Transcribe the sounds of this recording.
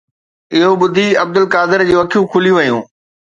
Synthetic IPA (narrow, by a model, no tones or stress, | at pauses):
ɪɦoɓʊd̪ʱiɐb̚d̪ʊlkaːd̪ɪɾd͡ʑeːʋɐkʰijũkʰʊlijũʋɐjũː